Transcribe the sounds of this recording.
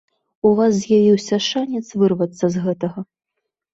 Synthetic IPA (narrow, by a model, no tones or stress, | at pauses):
uvas̬zʲjavʲiwsʲɐʂanʲɛt̪svɨrvɐt̪sːɐzɣɛt̪ɐɣɐ